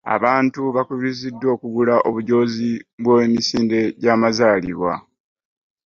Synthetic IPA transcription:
a̰βaːntuβakuβizidːo̞ːkuɡulaʔo̞βuɟo̞ːziβweːmisiːnde̞ɟaːmazaːlḭβwa̰

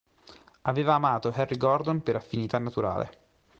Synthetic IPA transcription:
aveːvaːmaːt̪oɦɛrːiɡɔrd̪onpeɾafːinit̪anːat̪uɾa̰ːlḛ

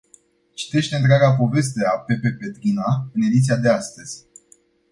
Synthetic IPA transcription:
t͡ʃi̥t̪e̞ʃt̪e̞ɨnt̪̬ɾeaɡapo̞ve̞s̬t̪e̞ape̞pe̞pe̞t̪ɾinaɨne̞d̪it̪siad̪e̞ast̪əzʲ

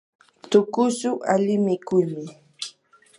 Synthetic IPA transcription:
t̪ʊkʊsʊʔalɪmɪkʊjmɪ

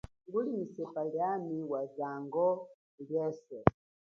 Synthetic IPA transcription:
ŋɡulimisɛpaljamiwazaŋɡɔ | ljɛːsɛ

